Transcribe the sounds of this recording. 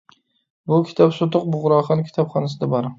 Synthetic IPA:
bʊkʲʰɪ̥t̪ʰɒpsʊt̪ʊq̚bʊʁɾɒχɑnkʲʰɪ̥t̪ʰɒpχɒnas̬ɪd̪abɒɾ

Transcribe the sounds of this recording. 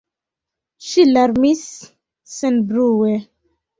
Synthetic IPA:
ʃilaɾmis | sɛnbɾuwɛ

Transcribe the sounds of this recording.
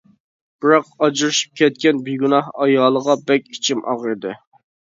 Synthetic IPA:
b̥ɪɾɑqɑd͡ʒiɾɨʃi̥p̚kʲʰɛt̪̚kʲɛnbiɡʲunɑhɑjɑːlˠəʁɑbɛkʲit͡ʃʰimʔɑ̰ʁɾɨd̪ɨ

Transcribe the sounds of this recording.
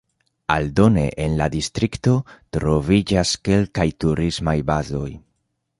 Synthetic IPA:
aldo̞ne̞̰ʔenladistɾikto̞tɾo̞vid͡ʒaske̞lkajtuɾizmajbazo̞j

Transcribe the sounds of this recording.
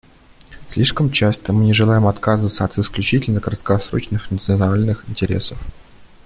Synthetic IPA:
sʲlʲiʂkəmt͡ɕast̪əmɨnʲɪʐɨlˠajɪmɐt̪kazɨvət̪səɐt̪ɪsklʲʉt͡ɕitʲɪlʲnəkəɾət̪kasɾo̞̰t͡ɕnɨxnət̪sɨnnalʲnɨxɪnʲtʲɪɾʲe̞̰səf

